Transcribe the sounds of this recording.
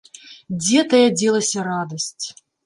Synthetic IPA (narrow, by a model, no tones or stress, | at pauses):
d͡zʲɛt̪ɐjad͡zʲɛlˠɐsʲɐrad̪ɐsʲt͡sʲ